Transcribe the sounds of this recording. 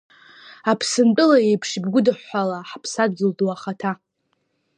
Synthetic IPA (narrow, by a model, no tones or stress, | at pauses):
apʰsɨnt͡pʼɨlaejpʰʂbɡʷʊdɨħʷːalaħpʰsadd͡zɨlduwaχatʰa